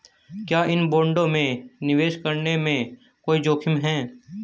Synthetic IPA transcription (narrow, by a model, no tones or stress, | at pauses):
kjaːʔɪnboːɳɖõmẽnɪʋeːʃkəɾnemẽ | koːid͡ʒoːkʰɪmɦɛː